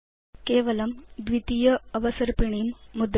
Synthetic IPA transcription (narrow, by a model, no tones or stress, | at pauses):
keʋɐlɐmd̪ʋit̪ijəəʋəsəɾpiɳ̃imːud̪